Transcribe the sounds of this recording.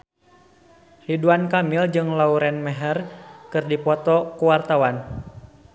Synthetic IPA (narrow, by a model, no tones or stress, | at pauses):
hiduankamild͡ʒɨŋlauɾɛnmɛɦɛrkɨrdipɔt̪ɔkuwart̪awan